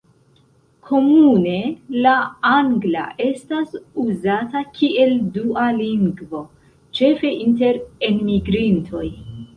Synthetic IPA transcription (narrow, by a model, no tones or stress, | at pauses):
kʰo̞mune̞laaŋɡla̰ʔe̞stasuzatakʰie̞ldualiŋɡvo̞ | t͡ʃe̞fe̞ʔinte̞ɾenmiɡɾintʰo̞j